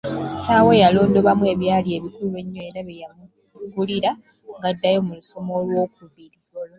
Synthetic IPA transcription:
si̥tawe̞jalo̞ːndo̞βamwe̞ːβjaːlie̞βikuluβe̞ɲːoeɾaβejam | ɡuliɾa | ŋɡadːajo̞muluso̞mo̞lwo̞ːkuβiɾi

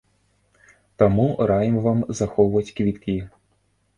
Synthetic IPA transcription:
t̪amuɾajimvamzaxɔwvɐt͡sʲkvʲit̪kʲi

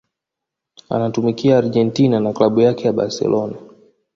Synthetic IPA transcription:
a̰natumikiaːɾʄɛntinanaklaɓujakɛjaɓa̰ɾsɛ̰lʔɔna

